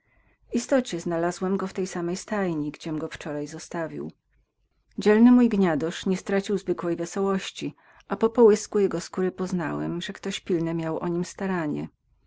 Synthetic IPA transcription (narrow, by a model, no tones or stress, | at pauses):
vist̪ɔt͡ɕɛznalazwɛmɡɔft̪ɛjsamɛjst̪ajɲiɡd͡ʑɛmɡɔft͡ʂɔɾajzɔst̪avʲḭw | d͡ʑɛlnɘmujɡɲad̪ɔʂɲɛst̪ɾat͡ɕiwzvɘkwɛjvɛsɔwɔɕt͡ɕi | ʔapɔpɔwɘskujɛɡɔskuɾɘpɔznawɛ̰mʐɛkt̪ɔɕpʲilnɛmʲjawʔɔɲimst̪aɾaɲɛ̰